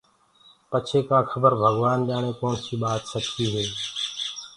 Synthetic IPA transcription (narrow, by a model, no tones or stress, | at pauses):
pət͡ʃʰeːkãːxʰəbəɾbʱəɡʋaːnɗaːɳeːkoːɳsiːɓaːt̪səkiːɦeː